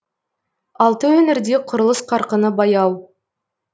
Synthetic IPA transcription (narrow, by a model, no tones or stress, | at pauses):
ɑlˠt̪əwɵnɪɾd̪e̞qʰʊɾəlˠəsqʰɑɾqənəbɑjɑw